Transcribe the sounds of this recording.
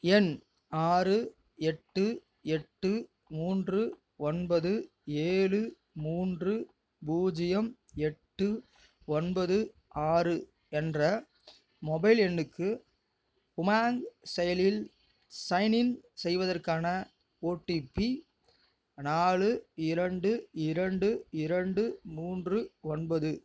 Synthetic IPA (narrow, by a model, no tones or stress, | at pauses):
ɛn | aːɾɯ | ɛʈːɯ | ɛʈːɯ | muːndrɯ | ɔnbɐðɯ | eːɻɯ | muːndrɯ | buːd͡ʒɪjɐm | ɛʈːɯ | ɔnbɐðɯ | aːrɯ | ɛndrɐ | mɔbɐɪlɛnːɯkʰːɯ | pʊmaːŋɡsɛjɐlɪl | sɐɪnɪnsɛjʋɐðɐrkaːnɐ | oːʈːipːi | naːɭɯɪɾɐɳɖɯɪɾɐɳɖɯɪɾɐɳɖɯmuːndrɯɔnbɐðɯ